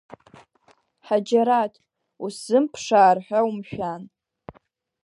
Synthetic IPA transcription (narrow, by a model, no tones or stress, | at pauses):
ħad͡ʒaɾatʰʼ | uszɨmpʰʂaːrħʷᶣaumʃᶣan